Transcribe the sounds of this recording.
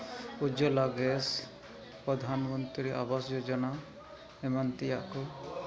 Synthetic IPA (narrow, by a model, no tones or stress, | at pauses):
ud͡ʒɔlaɡɛs | pɾɔd̪ʱanmɔnt̪ɾiɾɛʔabasd͡ʒod͡ʒɔna | ɛmant̪ija̰ʔkɔ